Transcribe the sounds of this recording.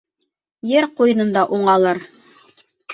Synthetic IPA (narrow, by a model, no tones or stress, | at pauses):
jɘɾqujɤ̆nɤ̆nd̪ɑʔuɴɑlˠɤɾ